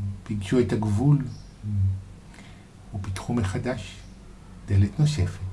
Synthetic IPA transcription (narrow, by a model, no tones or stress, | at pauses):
biɡʃuetaɡvul | ubitχumeχadaʃ | d̥eletno̞se̞fet